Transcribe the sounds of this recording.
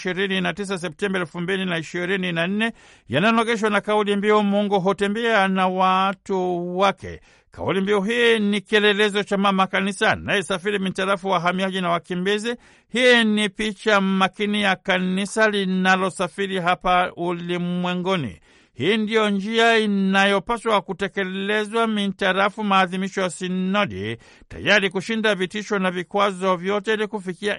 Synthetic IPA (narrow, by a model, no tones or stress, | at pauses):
iɾininatis̬as̬ɛp̚tɛmbaɛlfumbilinaiʃiɾininan̩nɛ | janajɔnɔɡɛʃ̬wanakaulimbiɔmuŋɡuɦutɛmbɛanawatuwakɛ̰ | ka̰ulimbiɔɦinikiɛlɛlɛzɔt͡ʃamamakanisanajɛsafiɾimitaɾafuwaɦamiaʄinawakimbizi | hiːnipit͡ʃamakinijakanisalinalɔsafiɾiɦapaulimwɛŋɡɔnḭ | hiːndijɔnd͡ʒiainajɔpaswakutɛkɛlɛzwamitaɾafumaːðimiʃɔjasinɔdḭ | ta̰jaɾikuʃindavitiʃɔnavikwazɔvjɔtɛlikufikia